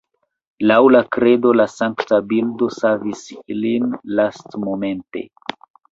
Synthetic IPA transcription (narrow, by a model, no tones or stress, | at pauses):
lawlakɾe̞do̞lasaŋktabildo̞savisilinlastmo̞me̞nte̞̰